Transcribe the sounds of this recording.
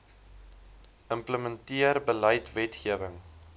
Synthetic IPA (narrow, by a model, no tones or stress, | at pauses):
ʔəmpləməntiərbəlɐjtvɛtχiəvəŋ